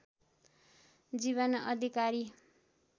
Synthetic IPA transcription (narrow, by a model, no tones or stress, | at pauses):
d͡ziβʌnʌd̪ʱikaɾi